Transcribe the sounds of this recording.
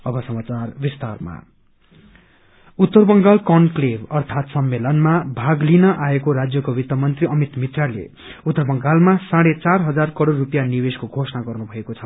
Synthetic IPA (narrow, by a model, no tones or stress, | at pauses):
ʌbʌsʌmat͡sarbist̪arma̰ | ut̪ːʌrbʌŋɡalkʌnklebʌrt̪ʰat̪sʌmːelʌnmabʱaɡlinʌʔaekoɾad͡zjʌkobit̪ʌmʌnt̪riʌmit̪mit̪ralḛ | ut̪ːʌrbʌŋɡalmasaɽet͡sarɦʌd͡zarkʌɽoɽːupjanibeskoɡʱosʌnaɡʌrnubʱʌekot͡sʰʌ